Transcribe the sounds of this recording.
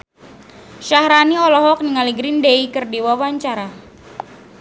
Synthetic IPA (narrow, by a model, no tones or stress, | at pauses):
ʃahɾaniɔlɔɦɔk̚niŋaliɡɾindeikərdiwawaɲt͡ʃaɾa